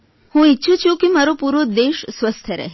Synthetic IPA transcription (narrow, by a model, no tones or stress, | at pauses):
hũitːʃʰut͡ʃʰũkemaɾopuɾod̪eʃsʋəst̪ʰjəɾə̰ɦ